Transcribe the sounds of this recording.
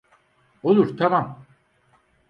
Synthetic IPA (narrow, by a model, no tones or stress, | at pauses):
olˠuɾt̪ʰamam